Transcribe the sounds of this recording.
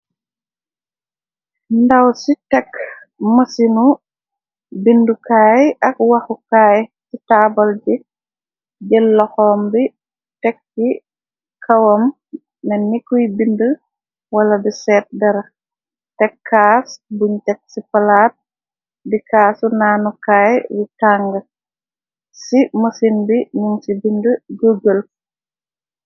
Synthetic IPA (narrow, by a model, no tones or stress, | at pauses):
ndawsitɛk | mɐsinu | bindukaːjak̚waxukaːjsitaːbɐld͡ʒi | d͡ʒɛlːɔxɔːmbi | tɛk̚ːi | kʰawɔmː | ɛnikːujbində | waladisɛːt̚dɐɾa | tɛkʰːaːsbuɲtɛk̚sifɐlaːt̚ | dikaːsunaːnukaːjwikaŋɡɐ | simɐsinbinuŋsibindəɡəɡəl